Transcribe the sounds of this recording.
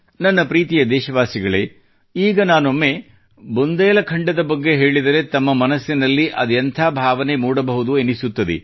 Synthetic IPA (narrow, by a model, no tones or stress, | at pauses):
nɐnːɐpɾiːt̪ijɐd̪ɛːʃɐʋaːsiɡɐɭḛː | iːɡɐnaːnomːe̞ | bond̪ɐjːɐlɐkʰɐɳɖɐd̪ɐbɐɡːe̞ɦe̞ːɭid̪ɐɾe̞t̪ɐmːɐmɐnɐsːinɐlːiʔɐd̪jɐnt̪ʰaːbʱaːʋɐne̞muːɽɐbɐɦud̪uenisut̪ːɐd̪ḛ